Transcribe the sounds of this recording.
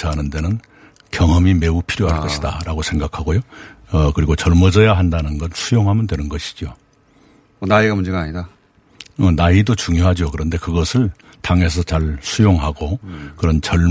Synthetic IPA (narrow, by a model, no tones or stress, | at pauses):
aɦanɯnde̞nɯn | kjʌŋɦʌmime̞upʰiɾjoɦakʌida̰ɾaɡosʰeŋɡakʰaɡojoʌkɯɾiɡot͡ɕʌɭmʌd͡ʑʌjaɦandanɯnɡʌsʰujoŋɦamɯndwe̞nɯnɡʌɕʰi̥d͡ʑio | ʌnaiɡamund͡ʑeɡaːɲida | ʌnaidot͡ɕuŋjoɦad͡ʑokɯɾʌnde̞kɯɡʌsʰɯɭ | taŋe̞s̬ʰʌt͡ɕaɭsʰujoŋɦaɡokɯɾʌnt͡ɕʌɭ